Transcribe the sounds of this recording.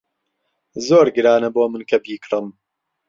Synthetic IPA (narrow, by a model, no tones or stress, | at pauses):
zoːɾɡɨɾaːnɐboːmɨnkʰɐbiːkɾɨm